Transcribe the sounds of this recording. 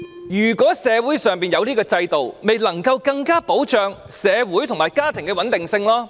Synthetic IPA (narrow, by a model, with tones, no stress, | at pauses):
jyː˨˩kʷɔː˨˥sɛː˨˧wuː˨˥jsœː˨ŋpiː˨njɐ˨˧wliː˥kɔː˧t͡sɐ˧jt̪o˨wme˨jlɐ˨˩ŋkɐ˧wkɐ˧ŋkaː˥po˨˥wt͡ʃœː˨˧ŋsɛː˨˧wuː˨˥jt̪ʰʊ˨˩ŋmaː˨˩jkaː˥t̪ʰɪ˨˩ŋkɛ˧wɐ˨˥nt̪ɪ˨ŋsɪ˧ŋlɔː˥